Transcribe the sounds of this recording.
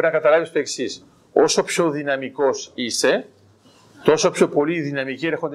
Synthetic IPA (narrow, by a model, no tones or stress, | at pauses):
ɾinɐkɐt̪ɐlɐvist̪oe̞ksis | o̞so̞pço̞ðinɐmiko̞sise̞ | t̪o̞sopço̞po̞liðinɐmicieɾexo̞nd̪